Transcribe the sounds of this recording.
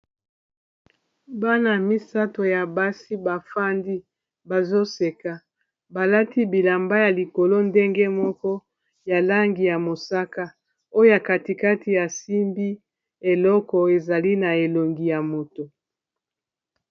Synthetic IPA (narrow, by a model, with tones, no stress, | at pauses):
ba˦na˨mi˦sa˦to˨ja˨ba˦si˦ba˨fa˦ndi˦ | ba˨zo˦se˨ka˨ | ba˨la˦ti˦bi˨la˨mba˦ja˨li˨ko˨lo˦nde˦ŋɡe˦mɔ˦kɔ˦ | ja˨la˦ŋɡi˨ja˨mo˨sa˦ka˦ | o˦o˦ja˨ka˨ti˨ka˦ti˨ja˨si˦mbi˦ | e˨lɔ˦kɔ˨e˨za˨li˦na˨e˨lo˨ŋɡi˨ja˨mo˨to˨